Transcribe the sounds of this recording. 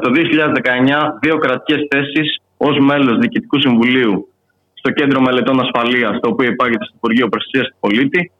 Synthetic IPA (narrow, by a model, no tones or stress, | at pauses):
t̪o̞ðioçiʎɐðezðe̞kɐe̞ɲɐðio̞kɾɐt̪i̥ce̞sθe̞sis | o̞zme̞lo̞zðiːcit̪i̥kusiɱvuliu | st̪o̞ce̞nd̪ɾo̞me̞le̞t̪o̞nɐsfɐliɐst̪o̞ːpio̞ipɐʝet̪est̪i̥puɾʝio̞pɾosɐ̥siɐst̪u̥po̞lit̪i